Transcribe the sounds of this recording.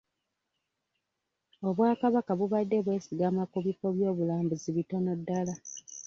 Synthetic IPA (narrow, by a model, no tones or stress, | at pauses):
o̞βwaːkaβakaβuβadːe̞βwe̞ːsiɡamakuβifo̞βjo̞ːβulaːmbuziβitono̞dːala